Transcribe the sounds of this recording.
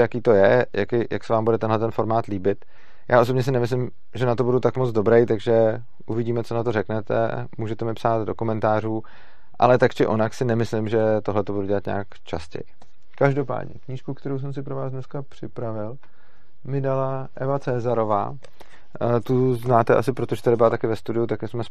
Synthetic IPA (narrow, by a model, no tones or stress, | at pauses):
jakiːt̪o̞jɛjakɪjʔa̰ksɛvaːmbudɛt̪ɛnɦlɛt̪ɛnfo̞ɾmaːt̪liːbɪt̪ | jʔa̰ːʔo̞s̬obɲɛs̬ɪnɛmɪs̬lɪm | ʒɛnat̪o̞budut̪akmot͡sd͡zdo̞bɾɛjt̪aɡʒɛ | ʔuvɪɟiːmɛt͡sonat̪o̞ɾɛknɛt̪ɛ̰ | muːʒɛt̪ɛmɪpsaːd̪do̞komɛnt̪aːruː | ʔa̰lɛt̪akt͡ʃɪʔo̞naksɪnɛmɪslɪmʒɛt̪o̞ɦlɛt̪o̞buduɟɛlat̪ɲa̰ːkt͡ʃa̰scɛ̰jɪ | kaʒdo̞pa̰ːd̪ɲɛ̰kɲiːʃkukt̪ɛɾows̬ɛms̬ɪpɾo̞vaːszdnɛskapr̝̥ɪpɾavɪl | mɪdalaʔɛvat͡sɛːzaɾo̞va̰ː | t̪uznaːt̪ɛʔa̰sɪpɾo̞t̪o̞ʒɛt̪adɪbɪlat̪akɪvɛst̪udɪjut̪akɛsmɛs